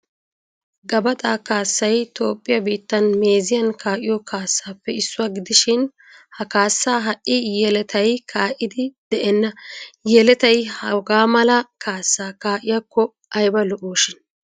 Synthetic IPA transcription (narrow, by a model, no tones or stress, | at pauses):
ɡɐbɐt̪ʼaːkaːsːɐjt̪o̞ːpʼːɪjɐbiːt̪ːɐnme̞ːzɪjɐnkaːʔɪjɔkʰaːsːaːpːɛɪsːʊwaːɡɪd̪ɪʃɪn | hɐkaːsːaːɦɐʔʔɪjɛlɛt̪ʰɐjkʰaːʔɪd̪ɪd̪̥ɛʔɛnːɐjɛlɛt̪ɐjhɐwɡaːmɐlɐkʰaːsːaːkaːʔɪjakːɔ | ʔɐjbɐlɔʔoːʃɪn